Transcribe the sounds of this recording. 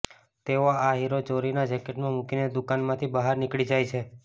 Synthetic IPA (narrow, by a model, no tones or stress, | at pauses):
t̪eoaɦiɾot͡ʃoɾinad͡ʒɛkeʈmãmukined̪ukanmãt̪ʰibaɦaɾnikɭid͡ʒajt͡ʃʰe